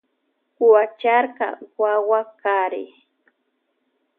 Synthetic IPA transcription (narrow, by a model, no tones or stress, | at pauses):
kʊat͡ʃaɾka̰wawakaɾɪ̰